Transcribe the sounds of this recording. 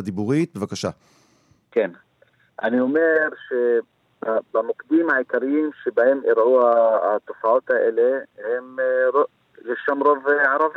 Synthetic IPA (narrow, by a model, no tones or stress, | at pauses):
ad̪ibuʁit̪̚bevakaʃa | keːn | ʔa̰niʊmeɾʃe | babamʊqd̪iːmaʕɪkaɾɪjiːmʃebahemʔɪɾʕuːhat̪ˤːʊfaʕuːt̪haʔɪlehɪmɾ | jeʃamɾˤovʕɑɾˤɑvi